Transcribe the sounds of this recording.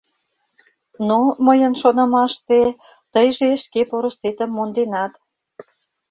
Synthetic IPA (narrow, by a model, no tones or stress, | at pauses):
noməjənʃonə̆mɑʃt̪e | t̪əjʒeʃkepoɾə̆set̪əmːond̪enɑt̪